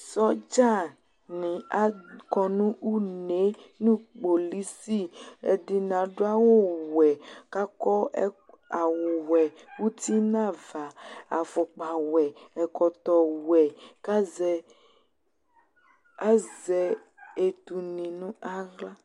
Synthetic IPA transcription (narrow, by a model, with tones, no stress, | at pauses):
sɔ˦d͡ʒa˦˨ | nĩ˨a˦kɔ˦nũ˦u˦ne˦nũ˦k͡po˨li˦si˦ɛ˨di˨nã˨ɖo˦a˦wo˦wɛ˨ka˦kɔ˦ | a˨wo˨wɛ˨ | wu˦t̪i˦nã˦˨va˨a˨fɔ˨k͡pa˨wɛ˨ɛ˨kɔ˨t̪ɔ˨wɛ˨ka˦zɛ˨ | a˦zɛ˨ | e˨t̪u˨nĩ˨nũ˦a˦ɣla˦